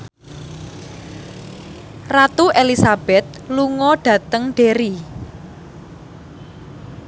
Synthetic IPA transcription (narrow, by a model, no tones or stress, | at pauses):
rat̪uʔelisab̥ɛt̪̚luŋɔɖ̥ä̤t̪əŋɖ̥eɾi